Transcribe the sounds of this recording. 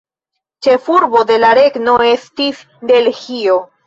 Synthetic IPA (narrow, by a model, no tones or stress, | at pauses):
t͡ʃe̞fuɾbo̞de̞laɾe̞ɡno̞e̞stis | de̞lhio̞